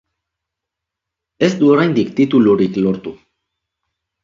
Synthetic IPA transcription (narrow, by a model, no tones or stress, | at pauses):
e̞sd̪uoɾajnd̪ikt̪it̪uluɾiklo̞ɾt̪u